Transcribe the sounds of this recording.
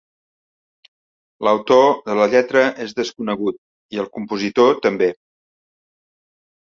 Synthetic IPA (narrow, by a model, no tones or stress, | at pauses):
ləwt̪oðələʎɛt̪ɾəʔezðəskunəɣ̞ut̪̚ | iəlˠkumpuzit̪ot̪əmbe